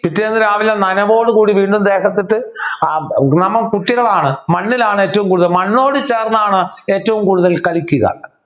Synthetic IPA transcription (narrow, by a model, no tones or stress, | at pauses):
pitːeːnːɨɾaːʋilɐnɐnɐʋo̞ːɽɨkuːɽiʋiːɳɖumd̪e̞ːɣɐt̪ːiʈːɨ | nɐmːɐkuʈːiɣɐɭaːɳɨmɐnːilaːɳɨe̞ːtːɐʋumkuːɽuðɐlmɐnːo̞ːɽɨt͡ɕe̞ːrnɐaːɳɨe̞ːtːɐʋumkuːɽuðɐlkɐɭikʲːuɣɐ̰